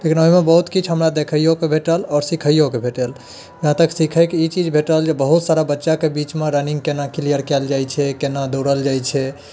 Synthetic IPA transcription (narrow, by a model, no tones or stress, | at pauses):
lekinoɦimebəɦut̪kit͡ʃʰɦəmɾad̪ekʰəjokebʱeʈəlɔːɾsikʰəjokebʱeʈəl | ʋɦãt̪əksikʰəjkiit͡ʃid͡ʒbʱeʈəld͡ʒebəɦut̪saɾabətːʃakebit͡ʃmeɾəniŋɡkenakilijəɾkɛld͡ʒajt͡ʃʰɛkenad̪oɾəld͡ʒajt͡ʃʰɛ